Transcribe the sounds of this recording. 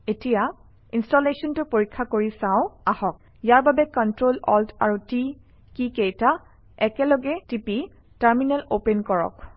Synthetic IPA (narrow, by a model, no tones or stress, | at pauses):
etija | instɔlesɔntʊpoɹikʰːakoɹisãʊ̃ahɔk̚ | jaɹbabɛkɔntɹolɔ̰lta̰ɹuti | kikejta | ɛkɛlɔɡɛtipi | taɹminɛlopenkɔɹɔ̰k